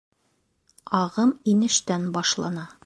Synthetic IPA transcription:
ɑʁɤminɘ̆ʃt̪ænbɒʃlˠɑnɑ

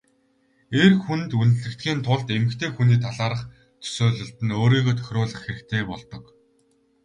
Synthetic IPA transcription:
erxunt̪unt̪ɘ̆ɮɘ̆kt̪ɡʲiːnt̪ʰʊɮt̪emɘ̆kt̪ʰeːxuniːt̪ʰaɮaːɾə̆χ | t̪ʰɵ̥sʊːɮɵ̆ɬt̪ɘ̆noːɾiːɣoːt̪ʰœ̥xʲrʊːɮə̆χxeɾɘ̆kt̪ʰeːpɔɮt̪ɞ̆k

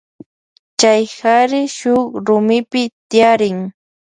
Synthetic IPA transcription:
t͡ʃajhaɾɪʃʊχɾʊmɪpɪt̪ɪjaɾɪŋ

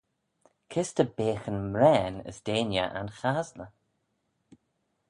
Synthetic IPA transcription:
kʰɪstəbeːxənmɾɛːnə̰sd̥eːnjə̰ʔa̰nxaːznə

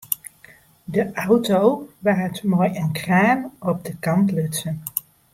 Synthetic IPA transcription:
dəʔawtowʋaːtmoːjənkraːnɔb̚dəkɑntlʏtsən

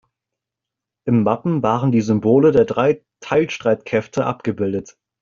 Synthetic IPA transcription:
ʔɪmːapm̩vaːʁəndiːzʏmboːlədeːɐdʁaɪ | tʰaɪlʃtʁ̥aɪtkʰɛftʰəʔa̰p̚ɡ̥əbɪldət

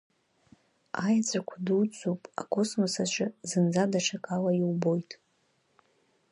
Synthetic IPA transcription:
ajat͡sʷʼakʷʰaduwt͡sʷʼupʼa̰kʼo̞smosaʃʷʰazɨnd͡zadaʈ͡ʂʰakʼalaiwbo̞jtʼ

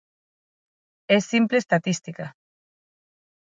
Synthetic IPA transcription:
esːimplest̪at̪ist̪ika

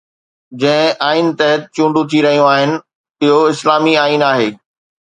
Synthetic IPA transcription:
d͡ʑɐ̃ɦɪ̃ʔaːint̪ɐɦət̪̚t͡ɕũːɳɖũt̪ʰiɾɐɦijũaːɦɪnɪ̆ | ɪɦoɪslaːmiaːinaːɦeː

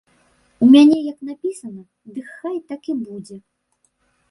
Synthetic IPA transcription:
umʲanʲɛjɐknapʲisɐnɐ | d̪ɨkxajt̪akibud͡zʲɛ

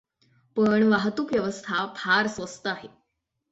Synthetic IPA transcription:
pəɳʋaɦt̪uːkʋjəʋəst̪ʰapʰaɾsʋəst̪əaɦe

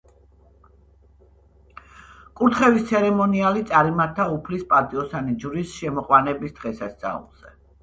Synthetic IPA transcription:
kʼuɾt̪ʰχɛvist̪sʰɛɾɛmɔnialit̪sʼaɾimaɾt̪ʰaupʰlispʼat̪ʼiɔsanid͡ʒuɾisʃɛmɔqʼwanɛbisd̪̥ʁɛsast̪sʼa̰ṵlˠz̥ɛ

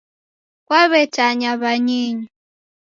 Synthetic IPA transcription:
kwaβɛtaɲaβaɲiɲu

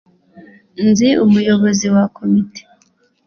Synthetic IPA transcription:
nziʔumujo̞βo̞ziwakʰomite̥

